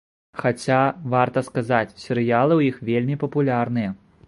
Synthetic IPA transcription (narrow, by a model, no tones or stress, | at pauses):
xat͡sʲavart̪ɐskazat͡sʲsʲɛɾɨjalˠɨwjixvʲelʲmʲipɐpulʲarn̪ɨjɐ